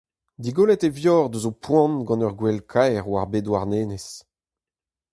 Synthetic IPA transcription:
d̪iɡolɛt̪evjɔːʁd̪øzopwɑ̃nɡɑ̃nœʁɡwɛlkʰajʁwaʁbedwaʁneːnes

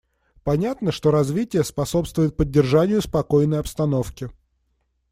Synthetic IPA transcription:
pɐnʲat̪nəʂt̪o̞ɾɐzvʲitʲɪjəspɐso̞pst̪vʊɪt̪̚pədʲːɪrʐanʲɪjʊspɐko̞jnəjɐpst̪ɐno̞fkʲɪ

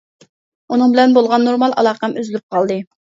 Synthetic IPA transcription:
unɨŋbɪlɛnbolˠʁɑnːoɾmɑlˠʔɑ̰lˠɑːqɑmʔyzlyp̚qʰɑlˠd̪ɨ

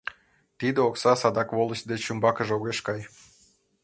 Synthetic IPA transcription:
t̪id̪eoksɑsɑd̪ɑkβolˠə̆ɕd̪et͡ɕymbɑkə̆ʒoɣeʃkɑj

